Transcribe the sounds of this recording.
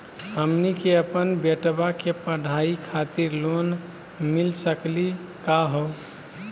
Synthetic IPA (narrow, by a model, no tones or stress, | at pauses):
ɦəmnikeəpənbeʈbakepəɽ̤aikʰat̪iɾlon | milsəkli | kaɦo